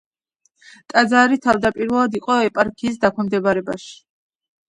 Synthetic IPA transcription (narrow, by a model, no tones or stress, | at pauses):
t̪ʼad̪zaɾit̪ʰavd̪apʼiɾvɛlˠad̪iqʼɔɛpʼaɾkʰiːs̬d̪akʰwɛmd̪ɛbaɾɛba̰ʃi̥